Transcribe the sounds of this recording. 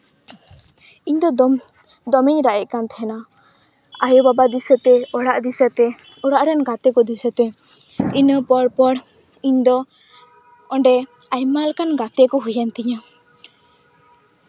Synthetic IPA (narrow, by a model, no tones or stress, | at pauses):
iɲd̪ɔ | d̪ɔmiɲɾaʔɛc̪̚ˀkant̪ɛhɛna | ajɔbabad̪isət̪ɛɔɽaʔd̪isət̪ɛ | ɔɽaʔɾɛnɡat̪ɛkɔd̪isət̪ɛ | inəpɔɽpɔɽ | iɲd̪ɔ | ɔɳɖɛ | ajmalkanɡat̪ɛkɔɦujant̪iɲa